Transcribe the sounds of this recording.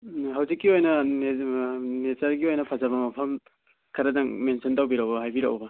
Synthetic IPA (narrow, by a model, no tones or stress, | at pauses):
ɦawzikːiojnɐnenetaɾɡiojnɐpʰazabɐmɐpʰɐm | kʰɐɾɐdaŋmensʰɔntawbiɾɐwbɐɦajbiɾa̰wbɐ